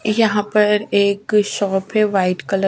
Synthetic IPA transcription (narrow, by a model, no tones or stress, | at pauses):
jɐɦãpɐɾeːkʃɔːpʰɦeʋaːɪʈkɐlə